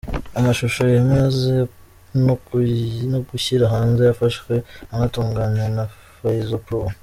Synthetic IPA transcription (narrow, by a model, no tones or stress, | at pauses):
amaʃuʃo̞jemweze | no | noɡuçiɾaɦaːnzejafaʃwe̞aŋatuːŋɡaɲena | fajizopɾo